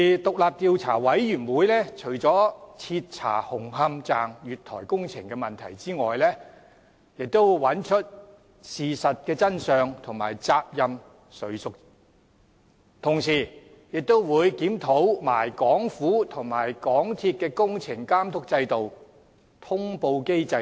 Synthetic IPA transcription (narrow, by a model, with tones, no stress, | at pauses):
i˨t̪ʊ˨k̚laː˨p̚t̪iː˧wt͡sʰa̰ː˨˩wɐ˨˥jɥyː˨˩nwuː˨˥jlɛː˥t͡ʃʰɵ˨˩ɥt͡sɔː˨˥t͡sʰiː˧t̚t͡sʰa̰ː˨˩hʊ˨˩ŋɦɐ˧mt͡saː˨ŋjyː˨t̪ʰɔ̰ː˨˩jkʊ˥ŋt͡sʰɪ̰˨˩ŋkɛ˧mɐ˨˩nt̪ʰɐ̰˨˩jt͡siː˥ŋɔː˨jlɛː˥ | jɪ˨k̚t̪o˥wwɐ˨˥nt͡ʃʰɵ˥t̚ | siː˨sɐ˨t̚kɛː˧t͡sɐ˥nsœː˨ŋt̪ʰʊ˨˩ŋma̰ː˨˩jt͡saː˧p̚jɐ˧m | sɵ˨˥sʊ˨k̚ | t̪ʰʊ˨˩ŋsiː˨˩ | jɪ˨k̚t̪o˥wwuː˨˧jkiː˨˥mt̪ʰo˨˥wma̰ː˨˩jkɔː˨˥ŋfuː˨˥t̪ʰʊ˨˩ŋmaː˨˩jkɔː˨˥ŋt̪ʰiː˧t̚kɛː˧kʊ˥ŋt͡sʰɪ˨˩ŋkaː˥mt̪ʰʊ˥k̚t͡sɐ˧jt̪o˨w | t̪ʰʊ˥ŋpo˧wke˥jt͡sɐ˧